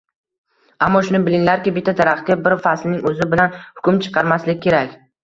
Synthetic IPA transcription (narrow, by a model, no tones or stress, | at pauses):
amːɒʃʊnɪbɪlɪŋlaɾkʲɪbɪt̪ʰːad̪aɾaχ̚ʲabɪɾfaslnɪŋɵzɪbɪlanhʊ̥kʲʰʊmt͡ʃʰɨ̥qʰɑɾmaslɪɡʲkʲʰːe̞ɾakʲ